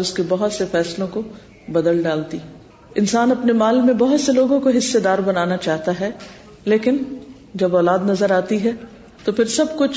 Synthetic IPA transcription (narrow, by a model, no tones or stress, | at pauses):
ʊskebɐɦʊt̪sefɛːslõko | bɐd̪əlɖaːlt̪i | ɪnsaːnɐpnemaːlmẽbɐɦʊt̪seloːɡõkoɦɪsːed̪aːɾbɐnaːnat͡ʃaːɦt̪aɦɛ | leːkɪn | d͡ʒɐbɔːlaːd̪nɐzəɾaːt̪iɦɛ | t̪opɪɾsɐbkʊt͡ʃʰ